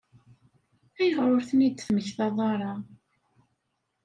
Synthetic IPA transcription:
æjəʁɾˤoɾθənid̪θməçθɑðˤɑɾˤɑ

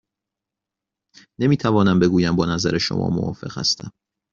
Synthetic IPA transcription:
nemiːt̪ʰævɒːnæmbe̞ɡuːjæmbɒːnæzæɾeʃo̰mʔɒ̰ːmovɒ̰ːfe̞̰ɣ̥hæ̰st̪ʰæm

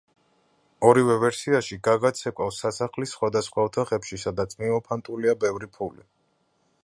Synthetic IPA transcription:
ɔɾivɛvɛɾsiaʃiɡaɡat̪sʰɛkʼwafsːasaχlisːχwad̪asχwaɔt̪ʰaχɛpʃisad̪at̪sʼmimɔpʰant̪ʼuliabɛvɾipʰulḭ

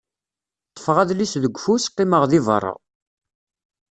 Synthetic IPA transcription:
t̪ˤːə̥fʁæðlisðəɡʷːfusqːiməʁðivə̰rˤːɑ̰

